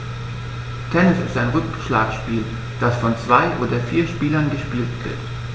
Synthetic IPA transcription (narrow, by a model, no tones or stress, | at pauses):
tʰɛnɪsɪstaɪnʁʏkʃla̰ːkʃpiːl | d̥asfɔnt͡sv̥aɪʔoːdɐfiːɐʃpiːlɐnɡəʃpiːltv̥ɪ̰ɐt